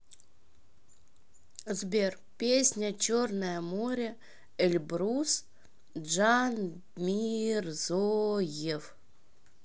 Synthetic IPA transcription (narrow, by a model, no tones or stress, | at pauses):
zbʲer | pʲesʲnʲət͡ɕornəjəmoɾʲə | ɛlʲbɾus | ʐan | mʲirzojef